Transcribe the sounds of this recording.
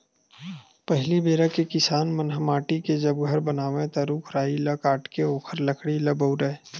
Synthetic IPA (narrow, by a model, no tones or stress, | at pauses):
pɐɦlibeːɾakekɪsaːnmənɦəmaːʈiked͡ʒɐbɡʱɐɾbənaːʋẽt̪aɾuːkʰɾaːilɐkaːʈkeoːkʰəɾlɐkʰɽilɐbəʊɾəe